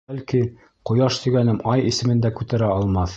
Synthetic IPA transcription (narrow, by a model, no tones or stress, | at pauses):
ælki | qŏjɑʃt̪ɵ̆ɡænɘmʔɑjisɘ̆mɘ̆nd̪ækʉt̪æɾæɑlˠmɑθ